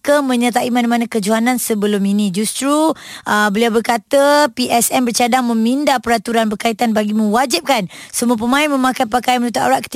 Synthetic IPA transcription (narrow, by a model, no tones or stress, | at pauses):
kəmə̃ɲət̪aʔimanamanakəd͡ʒuɦanãnsəbəlʊminĩd͡ʒust̪ɾuʔəbəliawbərkat̪əpiʔɛsɛnbərt͡ʃadaŋmə̃mindapəɾat̪uɾanbərkait̪anbaɡimə̃ŋwad͡ʒip̚kansəmuəp̬əmãɪnmə̃makajpakajanməlut̪uʔa̰ɾaʔkə̥t̪i